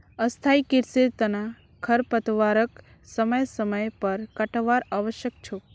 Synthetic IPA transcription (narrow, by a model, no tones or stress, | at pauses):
əst̪ʰaikɪɾsiɾt̪əna | kʰəɾpət̪ʋaɾək | səməjsəməjpəɾkəʈʋaɾaʋəʃjək̚t͡ʃʰo